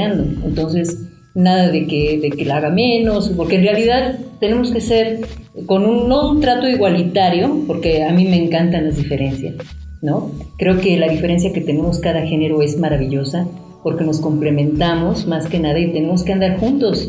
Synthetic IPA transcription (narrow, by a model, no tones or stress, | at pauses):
and̪oent̪o̞ns̬e̞s | naðaðe̞keðe̞kelaaɣamẽ̞no̞spo̞ɾkenrealiðaðt̪ːe̞ne̞moskese̞ɾko̞nũnːount̪ɾat̪o̞iɣwalit̪aɾjo̞po̞ɾke̞amĩme̞ːŋkant̪anlazðife̞ɾe̞nsja̰s | no̞kɾe̞o̞ke̞laðifeɾe̞ns̬jake̞t̪e̞ne̞mo̞skaðaxe̞ne̞ɾo̞e̞zmaɾaβiʝo̞sa | po̞ɾke̞no̞sko̞mple̞mẽ̞nt̪amo̞zmaske̞naðait̪e̞ne̞mo̞skeand̪aɾxunt̪o̞s